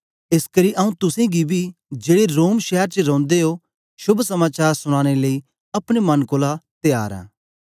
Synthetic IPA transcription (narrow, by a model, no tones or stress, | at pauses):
ɪskɐɾiʔɐũt̪ʊsẽɡibʱid͡ʒeːɽeɾoːmʃɛɦəɾt͡ʃəɾõːnd̪eɦo | ʃʊbʱsɐmaːt͡ʃaːɾsʊɽ̃aːɽ̃eləi | ɐpɽ̃emɐnkoːlat̪eja̰ːɾɛ̰̃ː